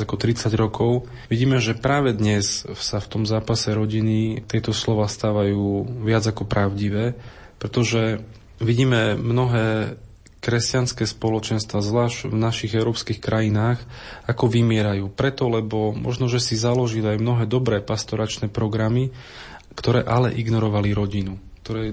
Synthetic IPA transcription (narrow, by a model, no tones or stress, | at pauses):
akɔt̪ɾit͡saɟɾɔkɔʊ | ʋiɟiːmɛʒɛpɾaːʋɛd̪ɲɛssaft̪ɔmzaːpasɛɾɔɟinit̪ɪɛt̪ɔslɔʋaːst̪aːʋajuːʋɪad͡zakɔpɾaʊɟiʋɛː | pɾɛt̪ɔʒɛ | ʋiɟiːmɛmnɔɦɛː | kɾɛscanskɛːspɔlɔt͡ʃɛnst̪ʋazʋlaːʒɟvnaʃiɣɛʊɾɔːpskixkɾʔajinaːxakɔʋimɪɛɾajuːpɾɛt̪ɔlɛbɔmʔɔ̰ʒnɔʒɛsizalɔʒiliajmnɔɦɛːd̪ɔbɾɛːpast̪ɔɾat͡ʃnɛːpɾɔɡɾami | kt̪ɔɾɛːʔalɛʔiɡnɔɾɔʋaliɾɔɟinuk̚t̪ɔɾɛː